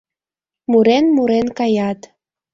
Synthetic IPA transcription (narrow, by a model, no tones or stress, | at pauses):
muɾenmuɾenkɑjɑt̪